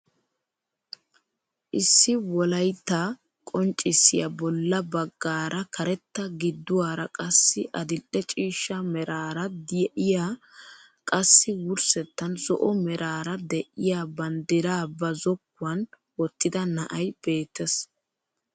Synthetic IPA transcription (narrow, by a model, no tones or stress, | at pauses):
ʔɪsːɪwɔlɐjt̪ːa | kʼɔnt͡ʃʼːɪsːɪjɐ̰bɔlːɐbɐɡːaːɾʔɐkʰɐɾɛt̪ːɐɡɪd̪ːʊwaːɾɐkʼɐsːɪʔɐd̪ɪlʔɛt͡ʃʼiːʃːɐmɛɾaːɾɐd̪jʔɪja | kʼɐsːɪwʊɾsɛt̪ːɐnzɔ̰ʔɔmɛɾʔaːɾɐd̪ɛʔɪjaːbɐnd̪ɪɾaːbɐzɔkːʊɐn | wɔt̪ːɪd̪ɐnɐʔɐjb̥e̞ːt̪ːɛs